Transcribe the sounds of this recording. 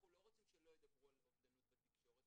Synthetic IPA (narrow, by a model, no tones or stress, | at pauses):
χuloʁot͡simʃelojed̪ɐbʁualovd̪alubat̪ikʃoʁet̪